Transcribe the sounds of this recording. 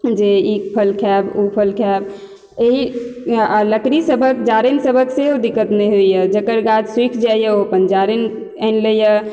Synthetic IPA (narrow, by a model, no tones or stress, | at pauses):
d͡ʒeikpʰəlkʰɛbupʰəlkʰɛb̚ | eɦi | ləkɾisəbʱəkd͡ʒaɾinsəbʱəkseod̪ikːət̪meɦoijəd͡ʒəkəɾɡad͡ʒswikʰd͡ʒajəoəpənd͡ʒaɾin | ənləjə